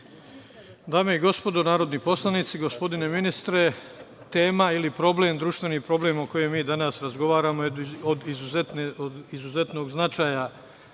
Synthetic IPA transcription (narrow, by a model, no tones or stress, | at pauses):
d̪aːmeiɡo̞spo̞d̪o̞naːɾo̞d̪nipo̞slˠanit̪siɡo̞spo̞d̪ine̞minist̪ɾe̞ | t̪e̞ːmailipɾo̞ble̞md̪ɾuːʃt̪ʋe̞niːpɾo̞ble̞mo̞ko̞jemiːd̪anasɾazɡo̞ʋaːɾamood̪izuzet̪neod̪izuze̞t̪no̞ːɡznat͡ʃaːja